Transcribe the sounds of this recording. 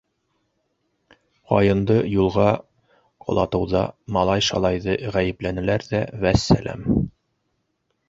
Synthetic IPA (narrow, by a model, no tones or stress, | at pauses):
ʁɑjɤ̆nd̪ɤjulˠʁɑ | qŏ̰lˠɑt̪ɤ̆wðɑ̰mɑlˠɑjʃɑ̰lˠɑjðɤʁæjɘ̆plænɘ̆læɾðævæsːæ̰lʔæ̰m